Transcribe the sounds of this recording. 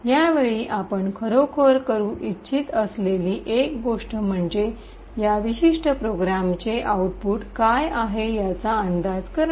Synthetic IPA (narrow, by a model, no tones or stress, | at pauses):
jaʋeɭiːʔapəɳkʰəɾokʰəɾkəɾũːʔitːɕit̪əsleliːʔekɡoʂʈəm̤əɳd͡ze | jaʋiɕiʂʈʰəpɾoɡɾamt͡seʔauʈ̚puːʈkajaɦejat͡saːnd̪ad͡zkəɾ